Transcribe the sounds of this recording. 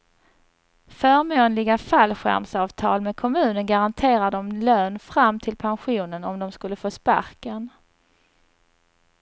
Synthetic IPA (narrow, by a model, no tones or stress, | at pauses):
fœːɾmoːnlɪɡafalːɧæ̰ɾmsɑːvt̪ʰɑ̰ːlmɛkʰɔmʉ̟ːnənɡaɾant̪ʰeːɾad̪ɔmløːnfɾamːt̪ʰɪlpʰanɧuːnənɔmd̪ɔmskɵlːəfoːspa̰ɾkən